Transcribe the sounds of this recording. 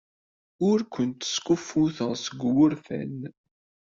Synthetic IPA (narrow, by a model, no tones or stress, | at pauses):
ʊɾkʷənt̪ə̥skufːuθəʁsəɡwʊɾθæ̰n